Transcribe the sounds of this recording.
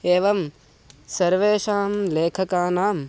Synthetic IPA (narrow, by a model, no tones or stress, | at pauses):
eːʋɐm | sɐɾʋeːʃaːmleːkʰɐkaːnaːm